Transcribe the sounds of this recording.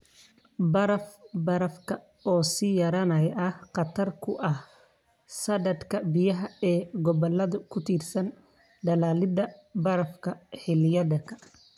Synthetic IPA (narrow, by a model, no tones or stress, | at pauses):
bɐɾɐfbɐɾɐfkʰɐ | ɔːsiːjɐɾɐnɐjʔɐhqɑt̪ʰɐrkʰʊʔɐh | sɐdɐd̪kʰɐbɪjɐɦɐɛːɡɔβɔlɐðʊkʰʊt̪ʰiːrsɐn | ɖɐlaːlɪd̪ɐbɐɾɐfkʰɐħɪlɪjɐdɐkʰɐ